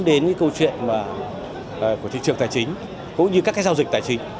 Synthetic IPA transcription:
ɗe˨˦nkaː˨˦kə˧wt͡ɕwḭ˧˨ənmaː˨˩ | ʔku˧˩ḭ˧˨ŋt͡ɕɨ˨˩əŋt̪aː˧˩jt͡ɕï˨˦ŋ̟ | kʊ̰˧˥ŋ͡mɲɨ˧kaː˦˥kːaː˨˦jzaː˧wzï˨˩t̪aː˨˩jt͡ɕï̟˨˦

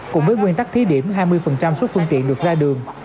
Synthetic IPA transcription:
kʊ̰˧˥ŋ͡mvəː˨˦jkwi˧nt̪a˦˥t̪ʰi˨˦ɗi˧˩əmɦaː˧jmɨ˧əjfə˨˩nt͡ɕa˧mso˦˥t̚fɨ˧əŋt̪ḭ˧˨ənɗɨ˨˩ək̚zaː˧ɗɨ˨˩əŋ

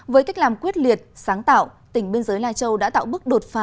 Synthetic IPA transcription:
vəː˨˦jka˦˥jk̚laː˨˩mkwi˦˥ət̚li˨˩ət̚saː˨˦ŋt̪a̰ː˧˨wt̪ï˧˩ŋ̟ɓe˧nzəː˨˦jlaː˧jt͡ɕə˧wɗa̰ː˧˥t̪a̰ː˧˨wɓɨ˦˥k̚ɗo˨˩t̚faː˨˦

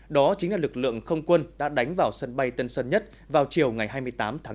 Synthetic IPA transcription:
ɗɔ˨˦t͡ɕŋlaː˨˩lɨ˨˩k̚lɨ̰˧˨əŋxə˧wŋ͡mkwə˧nɗa̰ː˧˥ɗa˨˦jŋ̟vaː˨˩wsə˧nɓa˧jt̪ə˧nsə˧nɲə˦˥t̚ | vaː˨˩wt͡ɕi˨˩əwŋa˨˩jɦaː˧jmɨ˧əjt̪aː˨˦mt̪ʰaː˨˦

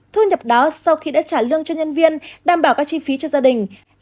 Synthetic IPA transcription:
t̪ʰɨ˧ɲə˨˩p̚ɗɔ˨˦sa˧wxi˧ɗa̰ː˧˥t͡ɕaː˧˩lɨ˧əŋt͡ɕɔ˧ɲə˧nvi˧ənɗaː˨˩mɓaː˧˩wkaː˨˦˥k̚t͡ɕi˧fi˨˦t͡ɕɔ˧zaː˧ɗï˨˩ŋ̟

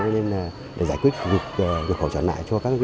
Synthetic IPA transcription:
ɔ˧ne˧n˨˩ | ɗḛ˧˩zaː˧˩kwi˦˥t̚vi˨˩ək̚ːvi˨˩ək̚hə˧wt͡ɕə̰˧˩na̰ː˧˨jt͡ɕɔ˧kaː˦˥k̚zi˧

